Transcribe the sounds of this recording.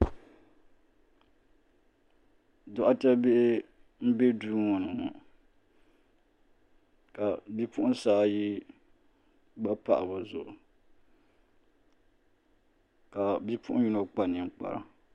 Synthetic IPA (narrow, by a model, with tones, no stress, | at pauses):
dʊ˦ʔa˦ta˦be˦ʔɪ˦ | m̩˦be˦duː˦ŋɔ˨nɨ˨ŋɔ˨ | ka˨bi˦pʊ˦ʔʊ̃˦saː˦ji˦ | ba˦pa̰˨ʔa˨ba˨zʊ˨ʔʊ˨ | ka˨bi˦pʰʊ˦ʔʊ˦ju˦no˨k͡pa˨nɪ˨ŋ˨k͡pa̰˨ɾa̰˨